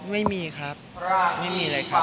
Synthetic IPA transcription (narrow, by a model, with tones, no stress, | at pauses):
ma˥˩jmiː˧kʰɾa˦˥p̚a˥˩ma˥˩jmiː˧laː˧jkʰa˦˥